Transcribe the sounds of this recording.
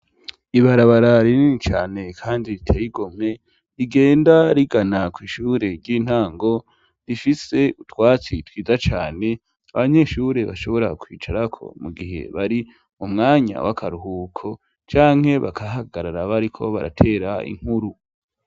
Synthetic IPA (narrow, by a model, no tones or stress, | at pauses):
iβaɾaβaɾaɾininit͡ʃa̰ːne̞kʰaːndiɾitʰejiɡo̞m̥e̞ | iɡeːndaɾiɡanakwiːʃuːɾe̞ɾɟiːn̥haːŋɡo̞ | ɾifise̞utwaːt͡sitwiːzat͡ʃaːne̞ | aβaɲe̞ʃuɾe̞βa̰ʃo̞βo̞ɾakʰwiːt͡ʃaɾakʰo̞̰muɡiɦe̞̰βaɾi | umŋaːɲa̰wa̰kʰaɾuɦuːkʰo̞ | t͡ʃaːŋ̥he̞βa̰kʰaɦaɡaɾaɾaβaɾikʰo̞βa̰ɾa̰tʰe̞ːɾaḭŋ̥huɾu